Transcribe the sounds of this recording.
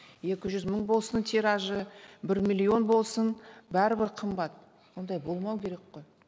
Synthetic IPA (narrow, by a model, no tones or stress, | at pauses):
je̞kʲɪʒʏzməɴbo̞lˠsənt̪ʰeɾɑʒəbɪɾmʲilʲːio̞nbo̞lˠsənbæɾɪbɪɾqʰəmbɑt̪̚ | wo̞nd̪ɑjbo̞lˠmɑwkʲe̞ɾekqo̞j